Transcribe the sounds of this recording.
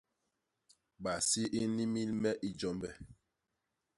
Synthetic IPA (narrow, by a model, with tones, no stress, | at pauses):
ɓa˨si˦ʔi˦ni˦mi˦lmɛ˦ʔi˦d͡ʒɔ˦mbɛ˨